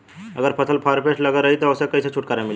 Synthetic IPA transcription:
əɡəɾpʰəsʰəlpʰaɾpesləɡəɾəɦit̪ɔosekəiset͡ʃʰuʈ̚kaɾemɪl

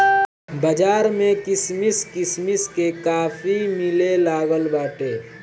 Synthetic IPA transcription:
bəd͡ʒaːɾmẽkɪsmɪskɪsmɪskekaːfʰimɪlelaːɡəlbaːʈeː

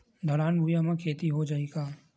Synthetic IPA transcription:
d̪ʱɔɾaːnbʱujamãkʰeːt̪iɦod͡ʒaːeɡaː

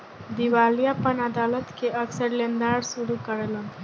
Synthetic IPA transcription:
d̪iʋalijapənəd̪alət̪keəksəɾlend̪aɽsuɽukəɽlon

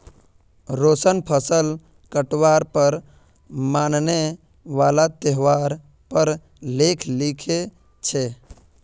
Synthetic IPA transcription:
ɾosənpʰəsəl | kəʈʋaɾpəɾ | maːnne | ʋalat̪eɦʋaɾ | pəɾ | lekʰlikʰe | t͡ʃʰe

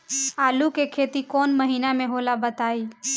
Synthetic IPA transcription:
aːlukekʰeːt̪ikoːnməɦiːnamẽɦolabət̪aːiː

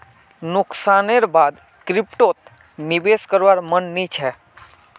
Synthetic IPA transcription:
nʊksaneɾbad̪ | kɾipʈot̪ | nibeskəɾʋaɾmənːit͡ʃʰɛ

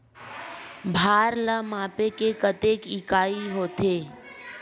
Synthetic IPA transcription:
bʱaːɾləmaːpekekət̪eːkɪkaːiɦoːt̪eː

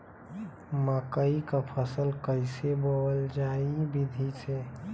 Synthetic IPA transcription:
məkəikapʰəsəlkəɪsebəwəld͡ʒaibʱid̪ʱit͡ʃʰe

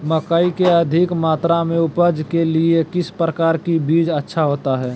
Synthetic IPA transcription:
məkaːikeəd̪ʱɪkmaːt̪ɾamẽʊpəd͡ʒkeliekɪspɾəkaːɾkibiːd͡ʒətːʃʰaɦoːt̪aɦɛː

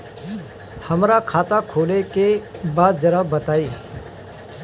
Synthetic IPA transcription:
həmɾakʰaːt̪akʰoːlekebaːd̪̚d͡ʒəɾabət̪aːiː

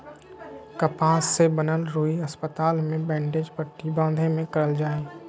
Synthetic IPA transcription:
kəpaːsːebənəlɾoːiəspət̪aːlmẽbɛ̃ːɳɖeːd͡ʒpəʈːibãːnd̪ʱemẽkəɾəld͡ʒaːeː

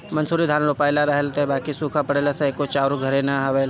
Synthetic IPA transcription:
mɐnsuːɾid̪ʱaːnlopaːjlaɾɐɦəlt̪eebaːkisuːkʰapɐɽeːlaseeːkːot͡ʃaːɾũɡʱɐɾenaɦɐʋel

